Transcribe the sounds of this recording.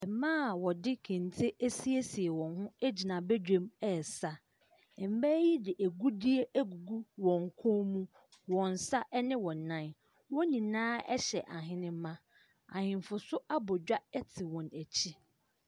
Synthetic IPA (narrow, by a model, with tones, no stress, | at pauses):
ɛ˨mãː˦˨wɔ˨dɪ˦kʰɪ̃˨n˨tʰe˦ʔæ˦si˦e˦si˨e˨wɔ̃˨nɦʊ̃˦æ˦d͡ʑi˨nã˨bɛ˦d͡ʑᶣẽ˦mɛ˨sa˦ | ɛ˨m̩˦bæ˦ji˦dɪ˨ʔæ˨ɡu˦di˦e˦ʔæ˦ɡu˨ɡu˦wɔ̃˨ŋ˨kʰʊ̃˦mũ˦ | wɔ̃˨n˨sa˦ʔɛ˦nɪ̃˦wɔ̃˨nã˦˨n | wɔ̃˦nĩ˨nãː˦ɛ̰˦ɕɛ˨ʔa˨ɦɪ̃˦nɪ̃˦m˦mã˦ | a̰˨hɪ̃˨m˨fʊ˨sʊ˦a˦bɔ˨d͡ʑᶣa˦ɛ˦tʰɪ˨wɔ̃˨næ˨t͡ɕʰi˦